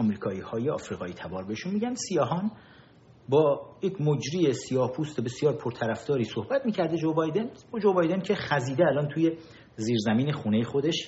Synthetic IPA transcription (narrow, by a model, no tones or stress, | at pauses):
ɒmɾiːkʰɒːiːhɒːjeɒ̰fɾiːɣɒːiːt̪ʰæbɒːɾbeeʃunmiːɟænd̪̥sijɒɦɒːn | bɒːjecʰmod͡ʒɾiːesijɒːhpʰuːst̪ebe̞sijɒːɾpʰoɾt̪ʰæɾæfd̪ɒːɾiːsohbæt̪miːcʰæɾd̪ed͡ʒobɒjd̪enbud͡ʒobɒjd̪e̞ncʰe̞xæziːd̪eælɒːnt̪ʰuːje̞ | ziːɾzæmiːneχuːne̞jexo̞d̪e̞ʃ